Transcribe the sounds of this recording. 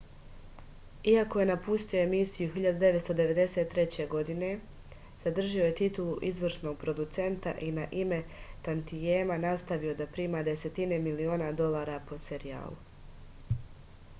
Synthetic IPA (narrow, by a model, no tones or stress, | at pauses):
iako̞je̞napust̪io̞e̞misijuɦiʎad̪ud̪e̞ʋet̪st̪o̞d̪e̞ʋe̞d̪e̞se̞ːt̪ːɾe̞t͡ɕe̞ɡo̞d̪ine̞ | z̥ad̪r̩ʒio̞je̞t̪it̪ulˠuʔizʋr̩ʃno̞ɡ̚pɾod̪ut̪se̞nt̪aʔinaʔime̞t̪ant̪ijeːmanast̪aʋio̞d̪apɾiːmaːd̪e̞se̞t̪ine̞milio̞ːnad̪o̞lˠaːɾapo̞se̞ɾija̰ːlu